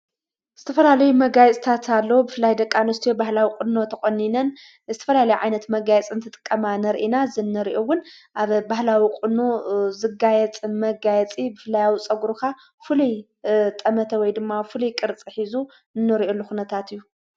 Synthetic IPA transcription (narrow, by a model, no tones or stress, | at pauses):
z̥ɨt̪ʰɐfɐlalɐjumɐɡajɛt͡sʼt̪ʰat̪ʰalːɐwubɨfɨlːajd̪ɐkʼːanɐst̪ʰijobahlawikʼʊno̞t̪ʰɐxʼonːinɐn | zɨt̪ʰɐfɐlalɐjuʕajnɐt̪mɐɡajɛt͡sʼɨnt̪ʰɨt̪ʼɨ̥kʼːɐmanɐɾʔinazɨnːɨɾiʔowʊnʔaβbaɦlawikʼɨnːozɨɡajɛt͡sʼmɐɡajɛt͡sʼibɨfɨlːajawit͡sʼɐɡɾuka | fɨluj | t̪ʼɐmɐt̪ʰɐwɔjd̪ɨmːafɨlujkʼɨɾt͡sʼiħizu | nːɨɾiolːuxunɐt̪ʰat̪ɨjːu